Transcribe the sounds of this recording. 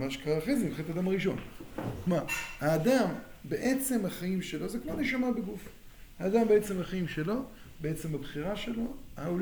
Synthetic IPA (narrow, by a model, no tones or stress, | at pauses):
maʃkaʁafezimχet̪ad̪amaʁiʃo̞̰nmahaːd̪ambeʔet͡se̞mhaχaimʃe̞lo̞zekmoneʃamabeɡuf | haːd̪ambe̞et͡se̞mhaχaimʃe̞lo̞ | beet͡se̞mabχiʁaʃe̞lo̞au